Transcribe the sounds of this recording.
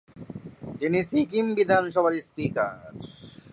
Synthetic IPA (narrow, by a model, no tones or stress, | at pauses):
t̪inisikimbid̪ʱanʃɔbʱaɾispikaɾ